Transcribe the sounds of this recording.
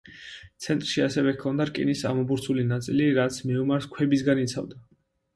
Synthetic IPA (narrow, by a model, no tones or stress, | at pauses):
t̪sʰɛnt̪ʼɾʃiasɛvɛkʰɔnd̪aɾkʼḭnisa̰mɔbuɾt̪sʰulinat̪sʼiliɾat̪sʰmiumaɾskʰwɛbisɡanit̪sʰa̰vd̪a